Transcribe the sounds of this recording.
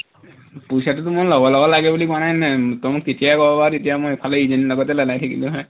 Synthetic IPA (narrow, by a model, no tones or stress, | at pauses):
pujsat̬utʊmɔjlɔbɔlɔbɔlaɡɛbulikɔanajnɛtɔmukketijakɔbɔbatetijamɔjpʰaleizenilɔɡɔtɛlalajtʰikilʊ̃ɦɛ